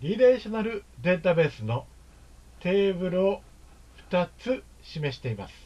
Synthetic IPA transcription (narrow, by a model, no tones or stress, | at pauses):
ɾʲiɾeɕonaɾɯ̟d̪ẽ̞nt̪abe̞ːsɨno̞ | t̪e̞ːbɯ̟ɾɯ̟o | ɸɯ̟̥t̪at͡sɨ | ɕime̞ɕi̥t̪e̞ima̰sɨ̥